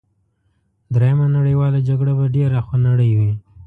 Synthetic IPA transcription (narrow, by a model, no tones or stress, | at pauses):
d̪ɾajamanaɽəjwɑlad͡ʒaɡɽabaɖeɾaxanaɽəjwi